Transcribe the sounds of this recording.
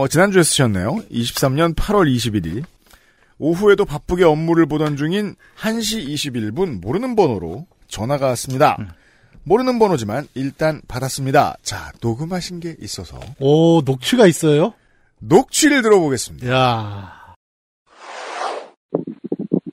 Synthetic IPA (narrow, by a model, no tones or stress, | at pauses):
ʌt͡ɕinand͡ʑue̞s͈ɯ̥ɕʰʌnːe̞̰joiɕʰi̥p̚s͈amɲʌnpʰaɾwʌɾiɕ̬ʰibiɾḭ | oɦue̞dopap͈ɯɡe̞ʌmːuɾɯɭbodʌnd͡ʑuŋin | hanɕ̬ʰiːɕʰibiɭbunmoɾɯnɯnbʌnoɾo̰ | t͡ɕʌnaɡas͈ɯmɲida̰ | moɾɯnɯnbʌnod͡ʑimaniɭt͈anpadas͈ɯmɲida̰t͡ɕa̰noɡɯmɦaɕʰinɡe̞ʔis͈ʌsʰʌ̰ʌnok̚t͡ɕʰɥiɡais͈ʌjo | nok̚t͡ɕʰwɥiɾɯɭtɯɾʌboɡe̞s͈ɯmɲida